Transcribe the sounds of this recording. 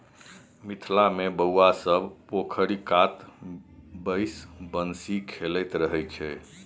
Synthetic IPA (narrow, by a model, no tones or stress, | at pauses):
mit̪ʰlamebəwasəbpokʰəɾikat̪ | bəjsbənsikʰelɛt̪ɾəɦɛjt͡ʃʰɛ